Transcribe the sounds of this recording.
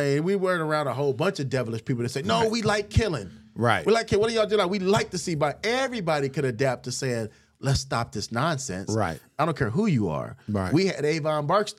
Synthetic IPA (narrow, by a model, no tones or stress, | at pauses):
eɨ̃nwiwɜ̃˞nə˞ãʊ̃ndəɦoʊlˠbʌ̃nt͡ʃʌvdɛvl̩ˠɨʃpʰipl̩ˠðɨtseɪnoʊwilaɪkʰɪlˠɪ̃ŋ | ɹaɪt̚wilaɪkʰːɪwʌɾɨjɨdʉlaɪwilaɪk̚tɨsibaɪɛvɹibɑɾikʰɨɾɨdæp̚tʰɨseɪɪ̃ŋ | lɛtstɑ̰p̚ðɪsnɑ̃nsɛ̰̃nsa̰ɪtɪdõʊ̃nkʰɛɹɦujɨə̰˞wiɨɾeɪvɑ̃nbɑɹks